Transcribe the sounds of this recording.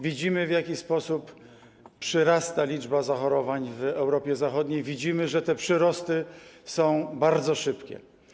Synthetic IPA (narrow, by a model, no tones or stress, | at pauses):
vʲid͡ʑimɘvjakʲispɔsup | pʂɘɾast̪alʲid͡ʐbazaxɔɾɔvaɲvɛwɾɔpʲjɛzaxɔd̪ɲejvʲid͡ʑimɘʐɛt̪ɛpʂɘɾɔst̪ɘsɔ̃w̃baɾd̪zɔʂɘpkʲɛ̰